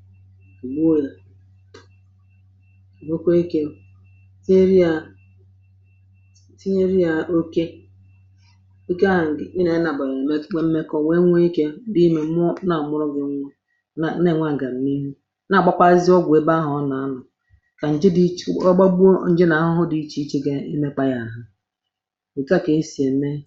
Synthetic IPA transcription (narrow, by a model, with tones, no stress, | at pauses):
ku˨ɡ͡bo˦e˨ɾa˨ | mo˦kʷo˦i˦ke˦ | si˦e˦ɾi˦a˨ | si˦ɲe˦ɾi˦a˨o˦ke˦ | i˦ka˦˨ŋ̩˨ɡi˦ne˨˦na˨ba˨ɾm˦e˦m̩˦me˦kɔ˦˨we˦ŋʷe˦i˦ke˦di˦me˨˦mʊ˦na˨mʊ˦ɾɔ˦ɡɪ˨˦ŋʷʊ˦ | a˨˦ne˦˨ŋʷa˦˨ŋ̩˨ɡa˨m̩˨˦mi˦ɦu˦ | na˨ɡ͡ba˦kʷa˦zɪ˦ɔ˦ɡʷe˦ba˦ɦʊ˨˦na˨a˦nʊ˨ | ka˨n̩˨d͡ʒɪ˦di˦ɔ˦ɡ͡ba˦bn̩˦d͡ʒɪ˦na˨a˦ɦʊ˦ɦʊ˦di˨˦t͡ʃi˦i˦t͡ʃi˦ɡe˦i˦me˦k͡pa˦ja˨a˨ɦʊ˦ | i˨ka˦˨ke˨i˦si˨e˨˦me˦